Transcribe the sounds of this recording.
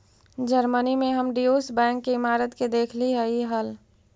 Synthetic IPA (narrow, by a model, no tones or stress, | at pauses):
d͡ʒəɾmənimẽɦəmɖioːsbɛ̃ːŋkːeɪmaːɾət̪ked̪eːkʰliɦəiɦəl